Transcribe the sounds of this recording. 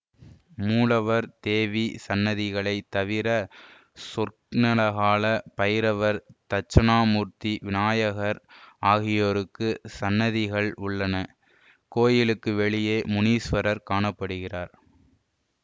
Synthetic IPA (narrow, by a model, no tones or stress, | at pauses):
muːɭɐʋɐɾt̪eːʋisɐnːɐðɪɣɐɭɐɪt̪ːɐʋɪɾɐ | sʊɾknɐlɐɣaːlɐpɐjɪɾɐʋɐɾt̪ɐt͡ʃːɐnaːmuːɾt̪iʋɪnaːjɐɣɐɾaːɣɪjoːɾɯkːɯsɐnːɐðɪɣɐɭʊɭːɐnɐ | koːjɪlɯkːɯʋɛɭɪjeːmʊniːsʋɐɾɐɾkaːɳɐpːɐɽɯɣɪraːɾ